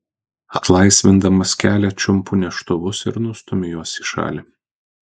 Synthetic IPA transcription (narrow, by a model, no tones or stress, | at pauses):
ɐt̪lˠɐɪsʲʋʲɪnd̪ɐmɐskʲæːlʲɛt͡ʃʲʊmpʊnʲɛʃt̪ʊʋʊsɪɾnʊst̪ʊmʲɪjuɔsiʃɑ̰ːlʲɪ